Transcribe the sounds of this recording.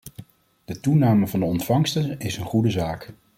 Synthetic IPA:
d̥ətunaːməvɑndəɔntfɑŋstənɪsənχudəzaːk

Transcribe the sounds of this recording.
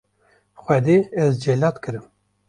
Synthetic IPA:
xʷɛd̪eːɛzd͡ʒɛlɑːt̪kʰɨɾɨm

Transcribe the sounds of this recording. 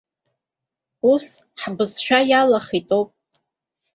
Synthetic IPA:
usħbɨzʃʷᶣajalaχitʼowpʼ

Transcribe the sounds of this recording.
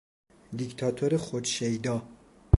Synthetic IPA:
d̪ikt̪ʰɒt̪ʰoɾexod̪ʃejd̪ɒː

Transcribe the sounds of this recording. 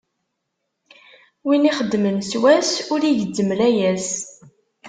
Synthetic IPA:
winiχəd̪ːmənswæsʊɾiʝəd̪ːəmlæjæs

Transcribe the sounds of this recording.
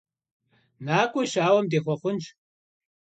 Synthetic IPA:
naːkʷʼʊʃaːwɐmdeːxʷɔχʷʊnt͡ʃ

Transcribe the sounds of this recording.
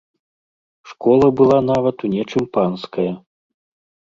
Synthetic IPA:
ʂkɔlˠɐbɨlˠanavɐt̪unʲɛt͡ʂɨmpanskɐjɐ

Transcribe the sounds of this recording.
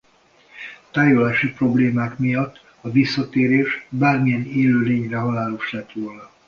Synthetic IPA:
t̪aːjolaːʃipro̞bleːmaːkmijɒt̪ː | ɒvisːɒt̪eːɾeːʃbaːrmijɛneːløːleːɲrɛɦɒlaːloʃlɛt̪roːlɒ

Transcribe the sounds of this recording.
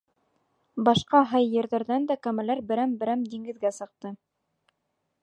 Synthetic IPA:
bɑʃqɑɦɑjːɘ̆ɾðæɾðænd̪ækæmælæɾbɘ̆ɾæmbɘ̆ɾæmd̪iŋɡɘ̆ðɡæsɤ̆q̚t̪ɤ

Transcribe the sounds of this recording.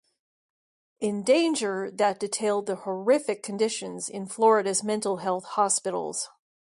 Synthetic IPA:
ɪ̃ndẽɪ̃nd͡ʒə˞ðɨt̚d̥ɨtʰeɪlˠd̪̚ðəhə˞ɪfɨkʰɨ̃ndɪʃɨ̃nzɪ̃nflɔɹɨɾɨzmɛ̃ntˡl̩ˠɦɛlˠθhɑspɪɾl̩ˠz̥

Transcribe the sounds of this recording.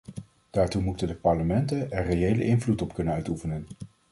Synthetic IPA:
d̥aːɹtumutəndəpɑɹləmɛntənɛɹrejejlə̰ʔɪnvlutɔpkɵnənœɥtufənən

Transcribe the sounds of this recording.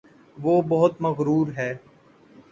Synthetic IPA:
ʋoːbɐɦʊt̪mɐɣɾuːɾɦɛː

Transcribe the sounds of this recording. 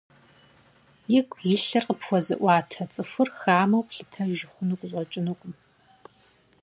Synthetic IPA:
jɪkʷʰjɪɬɐrqəpʰwʷɔzɨ̰ʔʷɑːtʰɐt͡sʼɨfʷʊrxaːmɐwpɬɨtʰɐʒɪχʷʊnukʷʼʊɕʼɔt͡ʃʼɪnuqʷʼʊm

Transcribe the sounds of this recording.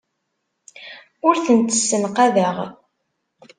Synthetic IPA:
ʊɾθənt̪ə̥sːənqaðəʁ

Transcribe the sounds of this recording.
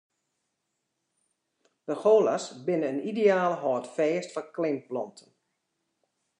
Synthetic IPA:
d̥əxoːlasbɪnəənideaːləɦɔːtfeːstfɔnklɪmplɔntʰən

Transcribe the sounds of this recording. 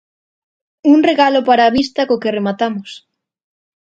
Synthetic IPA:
unreɣalopaɾaːβist̪akokeremat̪amos

